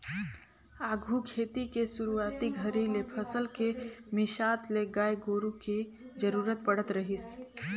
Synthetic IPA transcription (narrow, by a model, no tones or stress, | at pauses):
aːɡʱukʰeːt̪ikesʊɾuaːt̪iɡʱəɾilepʰəsəlkemɪʃaːt̪leɡaːeɡoːɾũki | d͡ʒəɾuːɾət̪̚bəɽət̪ɾəɦis